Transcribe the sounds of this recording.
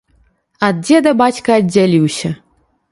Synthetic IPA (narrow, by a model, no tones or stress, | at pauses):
ɐd̪̚d͡zʲɛd̪ɐbat͡sʲkɐɐːalʲiwsʲɐ